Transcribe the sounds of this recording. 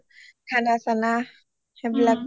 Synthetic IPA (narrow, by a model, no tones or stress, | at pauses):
tʰanasana | habilak̚